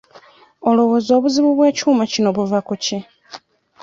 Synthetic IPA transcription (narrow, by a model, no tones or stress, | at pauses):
o̞lo̞wo̞zo̞ːβuziβuβwe̞ːcuːmacino̞βuvakuce